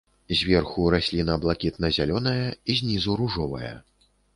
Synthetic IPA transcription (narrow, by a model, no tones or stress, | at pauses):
zʲvʲɛrxuɾasʲlʲinɐblˠakʲit̪̚nɐzʲalʲɔnɐjɐizʲnʲizuɾuʐɔvɐjɐ̰